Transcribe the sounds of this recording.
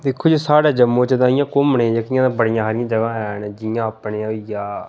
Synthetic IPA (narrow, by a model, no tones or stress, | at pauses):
d̪ɪkʰːoːd͡ʒiːsaːɽaːd͡ʒəmːõːt͡ʃəd̪ãːɪ̃jãːkʊmɳẽːd͡ʒəkɪjãːd̪ãːbəɽɪjãːɦaːɾɪjãːd͡ʒəɡãːɛːnd͡ʒɪjãːapɳeːãjãː